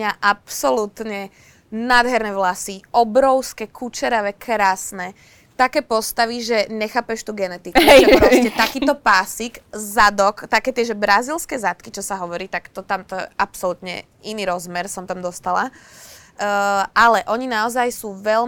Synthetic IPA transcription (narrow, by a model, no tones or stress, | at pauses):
ɲaʔapsɔlut̪ɲɛ | nad̪ɦɛɾnɛʋlasiɔbɾɔʊskɛkʰut͡ʃɛɾaʋɛkʰɾaːsnɛ | t̪akɛːpɔst̪aʋiʒɛɲɛxaːpɛʃt̪uɡɛnɛt̪ikuʒɛɾɔscɛt̪akiːt̪ɔpaːsiɡzad̪ɔkt̪akɛːt̪ɪɛʒɛbɾazilskɛːzat̪kit͡ʃɔsaɦɔʋɔɾiːt̪akt̪ɔt̪amt̪ɔjɛ̰ʔapsɔlut̪ɲɛ̰ | iniɾɔzmɛɾsɔmt̪amd̪ɔst̪ala | alɛʔɔɲinaɔzajsuːʋɛʎ